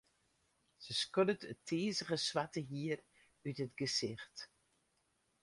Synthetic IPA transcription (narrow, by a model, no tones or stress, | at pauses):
səskɔdətətʰeːzəɣəsʋatəɦiər | ytɦətɡəzɪxt